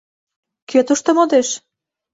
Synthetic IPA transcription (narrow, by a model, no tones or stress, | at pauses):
køt̪uʃt̪əmod̪eʃ